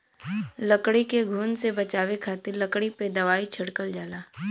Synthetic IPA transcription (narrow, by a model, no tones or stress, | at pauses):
lɐkɽikeɡʱuːnsebɐt͡ʃaːʋekʰaːt̪ɪɾlɐkɽiped̪ɐʋaːit͡ʃʰɐɽkəld͡ʒaːlaː